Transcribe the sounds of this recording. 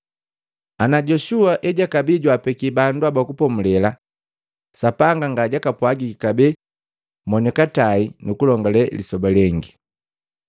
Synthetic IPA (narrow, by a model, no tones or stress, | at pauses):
anaɟɔʃuaʔɛɟakabiɟwapɛkibanduabakupɔmulɛla | sapaŋɡaŋɡaɟakapwaɡikikabɛ | mɔɲɛkatainukulɔŋɡalɛlisɔbalɛŋɡi